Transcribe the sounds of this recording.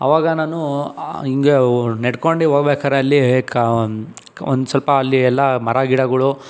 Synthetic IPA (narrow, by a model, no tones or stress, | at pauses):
ɐ̰ʋaːɡɐnaːnuiŋɡeneɽkoɳɖiɦoɡbeːkaːɾeɐlːik | ond̪usɐlpɐːlːiɛlːɐmɐɾaɡiɽɐɡɐɭu